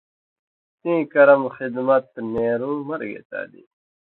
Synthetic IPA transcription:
t̪ĩːkɐɾɐmxid̪mɐt̪neːɾuːmɐɾɡḛt̪a̰ːd̪ḭ

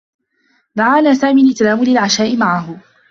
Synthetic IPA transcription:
d̪aʕaːnaːsaːmiːalʔɪt̪laːmʊlɪlʕaʃaːʔɪmaʕaɦʊ

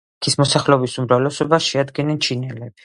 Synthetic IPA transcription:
kʰismɔsaχlɛɔbisumɾavlɛsɔbaʃɛad̪ɡɛnɛnt͡ʃʰinɛlɛb̥i̥

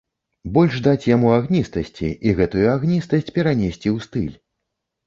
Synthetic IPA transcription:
bɔlʲʐd̪at͡sʲjamuaɣnʲist̪ɐsʲt͡sʲḭiɣɛt̪ujuaɣnʲist̪ɐsʲt͡sʲpʲɛɾanʲesʲt͡sʲiwst̪ɨ̰lʲ

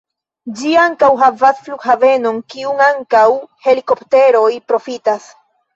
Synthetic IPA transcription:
d͡ʒiaŋkawɦavasflukhave̞no̞ŋkiuŋaŋkawhe̞liko̞pte̞ɾo̞jpɾo̞fitas

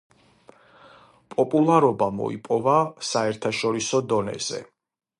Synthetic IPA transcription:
pʼɔpʼulˠaɾɔbamɔ̰ḭpʼɔvasaɛɾt̪ʰaʃɔɾisɔd̪ɔnɛ̰z̥ɛ̰

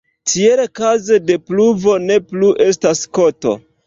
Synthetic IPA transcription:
tʰielkaze̞de̞pluvo̞ne̞pluʔe̞s̬tasko̞to̞̰

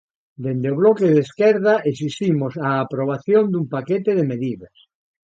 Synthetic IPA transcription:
d̪end̪eoβ̞lokeðeskɛɾð̞aʔesist̪imosaːpɾoβ̞aθjond̪umpaket̪eðemeðiðɐs

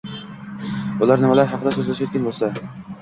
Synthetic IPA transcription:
ulˠaɾnɪmalaɾɦɑqʰɨd̪asɵzlaʃjot̪kʲanbolˠsa

